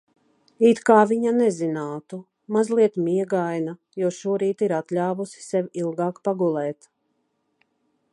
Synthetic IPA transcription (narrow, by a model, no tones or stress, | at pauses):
it̪kaːviɲanɛzinaːt̪u | mazlˠiɛt̪miɛɡajna | juɔʃuɔɾiːt̪iɾat̪lʲaːvusi̥sɛvilˠɡaːkpaɡulˠɛːt̪